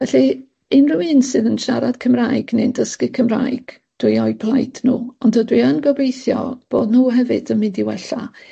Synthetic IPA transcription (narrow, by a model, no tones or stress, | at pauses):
vɛɬi | ɪnruɨnsɨðənʃaɾad̥kʰəmrajɡnɨndəskɨkʰəmra̰jɡ̥ | d̥wiɔjbʰlˠajtʰnṵːɔndədwiənɡɔbejθjɔ̰b̥oːdnuːɦɛvɨ̰dənmɪndiwɛɬa̰